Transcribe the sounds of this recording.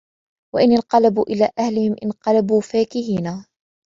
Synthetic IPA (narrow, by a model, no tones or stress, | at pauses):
waʔɪnɪnqɑlabuːʔɪlaːʔahlɪhɪmʔɪnqɑlabuːfaːkɪhiːnaː